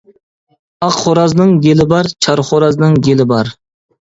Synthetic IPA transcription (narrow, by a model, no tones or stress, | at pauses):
ɑqχoɾɑznɪŋɡʲelɪbɑɾt͡ʃʰɑɾχoɾɑznɪŋɡʲelɪbɑɾ